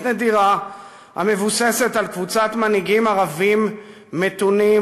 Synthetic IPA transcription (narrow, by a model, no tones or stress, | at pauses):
nediʁa | ha̰me̞vuse̞se̞talkvut͡sat̪maniɡimaʁavimː | e̞t̪uni